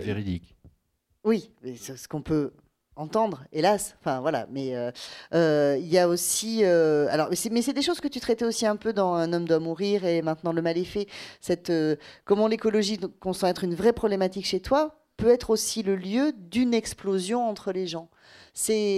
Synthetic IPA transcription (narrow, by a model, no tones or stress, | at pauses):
veʁid̪ḭk | wimɛsəsə̥kɔ̃pø | ɑ̃t̪ɑ̃d̪ʁelasɑ̃fɛ̃vwala̰mɛøøiljaosiøa̰lɔʁmɛsɛmɛsɛd̪eʃozkət̪yt̪χɛt̪ɛosiɛ̃pød̪ɑ̃ɛ̃nɔmd̪wamuʁiʁemɛ̃t̪nɑ̃ləmalɛfɛsɛt̪økɔmɑ̃lekɔlɔʒikɔ̃sɑ̃ɛt̪χynvʁɛpχɔblemat̪ikʃet̪wa | pøɛt̪χosiləljød̪ynɛksplozjɔ̃ɑ̃t̪χəleʒɑ̃ | sɛ